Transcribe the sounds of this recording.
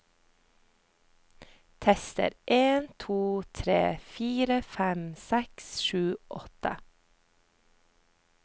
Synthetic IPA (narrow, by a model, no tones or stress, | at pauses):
t̪ʰɛst̪ə̰ɾʔeːnt̪ʰuːt̪ʰɾḛːfiːɾəfɛmsɛksʃʉːʔɔt̪ə̰